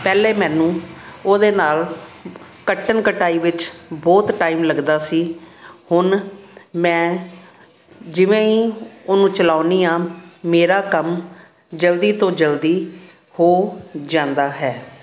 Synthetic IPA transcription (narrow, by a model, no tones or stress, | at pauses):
pɛːleːmɛ̃ːnũːoːd̪eːnaːl | kəʈʰːənkəʈaːiːʋɪt͡ʃbɔːt̪ʈaːiːmləɡd̪aːsiːhʊnmɛ̃ː | d͡ʒɪʋẽːiːoːnũːt͡ʃəlaːʊniːaːmeːɾaːkəm | d͡ʒəld̪iːt̪õːd͡ʒəld̪iː | hoːd͡ʒãːnd̪aːɦɛː